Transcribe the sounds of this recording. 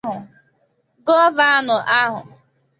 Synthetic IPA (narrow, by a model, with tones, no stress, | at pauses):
ɦʊ˨ | ɡɔ˦va˦a˦nʊ˨ʔa˦ɦʊ̰˨